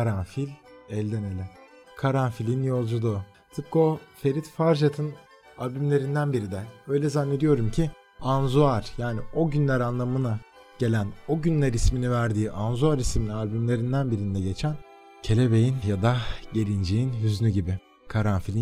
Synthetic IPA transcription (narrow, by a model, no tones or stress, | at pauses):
kʰaɾanfilʲɛlʲd̪emelʲɪ | kʰaɾanfilʲinjo̞lˠd͡ʒud̪ˠu | t̪ʰɯp̚kofe̞ɾit̪faɾʒat̪ʰɯn | alʲbymlʲe̞ɾind̪ænbiɾid̪ɛø̞jlʲɛzanːe̞d̪ijo̞ɾumcʰi | anzuaɾ̥jaːnio̞ɟynlʲæɾanlˠamɯna | ɟ̥e̞lʲæno̞ɟynlʲæɾisminivæɾd̪iːʔanzuaɾisminialʲbymlʲe̞ɾind̪ænbiɾind̪ɛɟe̞t͡ʃʰæn | cʰe̞lʲebe̞jinjad̪aɟe̞ɾʲind͡ʒijinjyzynyɟibɪ | kʰaɾanfilʲi